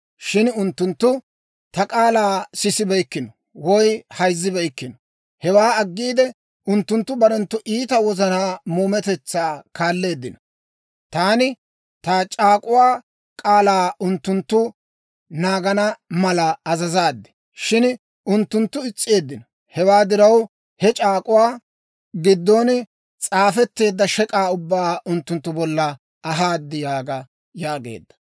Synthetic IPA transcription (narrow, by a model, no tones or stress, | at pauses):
ʃɪnʊnt̪ːʊnt̪ːʊ | t̪ɐkʼaːlaːsɪsɪbɛjkːɪnɔ | wɔjhɐjzːɪbɛjkːɪnɔ | hɛwaːɐɡːiːd̪ɛ | ʔʊnt̪ːʊnt̪ːʊbɐɾɛnt̪ːʊʔiːt̪ɐwɔzɐnaːmuːmɛt̪ɛt͡sːaːkaːlːe̞ːd̪ːɪnɔ | t̪aːnɪ | t̪at͡ʃʼaːkʼʊwaː | kʼaːlaːʊnt̪ːʊnt̪ːʊ | naːɡɐnɐmɐlɐɐzɐzaːd̪ːɪ̥ | ʃɪn | ʊnt̪ːʊnt̪ːʊɪt͡sʼːɪe̞ːd̪ːɪnɔ | hɛwaːd̪ɪɾɐw | hɛt͡ʃʼaːkʼʊwaː | ɡɪd̪ːoːn | t͡sʼaːfɛt̪ːe̞ːd̪ːɐʃɛkʼaːʊbːaːʊnt̪ːʊnt̪ːʊbɔlːɐ | ɐɦaːd̪ːɪjaːɡɐ | jaːɡe̞̰ːd̪ːɐ̥